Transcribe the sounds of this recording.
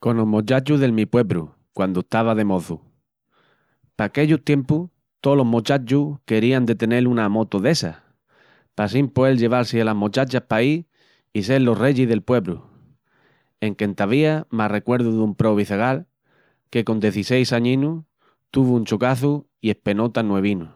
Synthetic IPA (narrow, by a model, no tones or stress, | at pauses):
ko̞nomot͡ʃat͡ʃuðe̞lmipwe̞βɾṵ | kwand̪oet̪aβ̞aðe̞mo̞θu | paːke̞ʎut̪je̞mpu | t̪olo̞ɦmot͡ʃat͡ʃuke̞ɾiand̪e̞t̪e̞ne̞lunamo̞t̪oðe̞sa | pasimpoe̞lʎe̞βalsealaɦmot͡ʃat͡ʃapai | ise̞lo̞re̞ʎiðe̞lpwe̞βɾṵ | e̞ŋke̞nt̪aβiamare̞kwe̞ɾðuðumpɾo̞βiθeɣ̞al | ke̞ko̞nd̪je̞θise̞jsaɲĩnu | t̪uβuunt͡ʃokaθu | ie̞hpe̞no̞t̪anːwe̞β̞inu